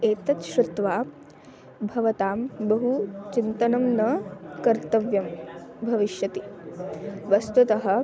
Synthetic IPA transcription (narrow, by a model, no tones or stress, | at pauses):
eːt̪ɐt̪ʃɾut̪ʋaː | bʱɐʋɐt̪aːmbɐɦut͡ʃint̪ɐnɐmnɐkɐɾt̪ɐʋjɐmbʱɐʋiʃjɐt̪i | ʋɐst̪ut̪ɐɦɐ̆